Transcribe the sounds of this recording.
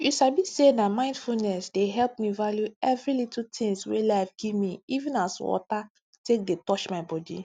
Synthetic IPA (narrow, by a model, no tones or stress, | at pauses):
juʃabisenamãɪ̃ndfulnɛsdeɦɛlp̚mivaljuɛvɹilitl̩tʰĩŋswḛlaɪfɡ̥ivmiivɛ̃naswɔ̰ta | tek̚detɔt͡ʃmaɪbɔdḭ